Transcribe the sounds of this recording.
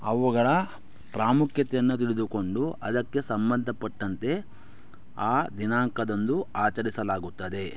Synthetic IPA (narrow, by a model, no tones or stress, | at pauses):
ɐʋuɡɐɭɐ | pɾaːmukʰjɐt̪ɛjɐnːut̪iɭed̪uko̞ɳɖuɐd̪ɐkːe̞sɐmbɐnd̪ʱɐpɐʈːɐnt̪e̞ | aːd̪inaːŋkɐd̪ond̪uaːt͡ʃɐɾisɐlaːɡut̪ːɐd̪e̞